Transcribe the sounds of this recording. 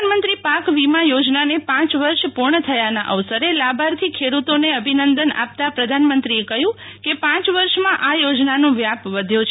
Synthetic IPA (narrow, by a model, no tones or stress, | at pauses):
nmənt̪ɾipakʋimãjod͡ʒnanepãt͡ʃʋəɾʃpuɾɳət̪ʰəjanaʔəʋsəɾelabʱaɾt̪ʰikʰeɽut̪oneəbʱinənd̪əna̰p̚t̪apɾəd̪ʱanmənt̪ɾiekəɦjũ | kepãt͡ʃʋəɾʃmãʔajod͡ʒnanõʋjapʋəd̪ʱjot͡ʃʰ